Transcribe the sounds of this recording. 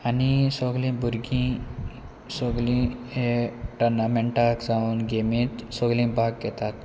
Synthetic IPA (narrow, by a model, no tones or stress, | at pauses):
anisɔɡlĩbʱuɾɡĩ | sɔɡlĩ | eʈəɾnameɳʈakd͡zaũːnɡemĩt̪sɔɡlĩbʱaɡːɛt̪at̪̚